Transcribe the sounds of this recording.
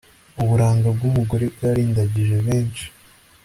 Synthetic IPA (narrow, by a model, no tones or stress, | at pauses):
uβuɾaːŋɡab̚ɡumuɡoɾebɡaɾiːndaɟiʒe̞βe̞ːnt͡ʃi̥